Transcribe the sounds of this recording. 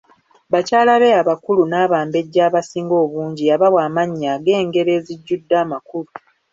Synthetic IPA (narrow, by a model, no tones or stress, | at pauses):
βacaːlaβe̞aβakulunaːβaːmbe̞ɟːaːβasiːŋɡo̞ːβuːɲɟijaβaβwaːmaɲːaːɡe̞ːŋɡe̞ɾe̞ːziɟːudːaːmakulu